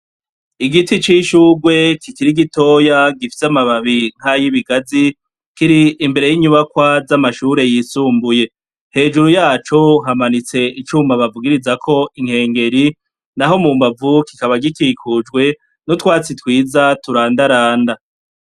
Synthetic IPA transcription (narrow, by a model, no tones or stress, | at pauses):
iɡitit͡ʃiʃuːɡwe̞kʰikiɾiɡito̞jaɡifi̥samaβaβiŋ̥hajiβiɡazi | kiɾiːmbe̞ɾe̞jiɲuβakwazamaʃuːɾe̞jiːsuːmbuje̞ | he̞ːd͡ʒuɾujaːt͡ʃo̞ɦamanit͡se̞ʔit͡ʃumaβavuɡiɾizakʰo̞ʔiŋ̥he̞ːŋɡe̞ɾi | naɦo̞muːmbavukikaβaɡikikʰud͡ʒɡwe̞ | nutwaːt͡sitwiːzatuɾaːndaɾaːnda